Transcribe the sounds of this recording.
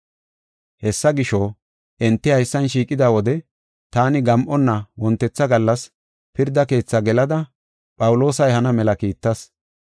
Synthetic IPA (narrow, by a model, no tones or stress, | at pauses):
hɛsːɐɡɪʃɔ | ʔɛnt̪ːɪhɐjsːɐnʃiːkʼɪd̪aːwɔd̪ɛ | t̪aːnɪɡɐmʔɔnːɐwɔnt̪ːɛt͡sːɐɡɐlːɐs | pɪɾd̪ɐke̞ːt͡sːɐɡɛlɐd̪ɐ | pʼɐwʊlo̞ːsɐjhɐnɐmɛlɐkiːt̪ːɐs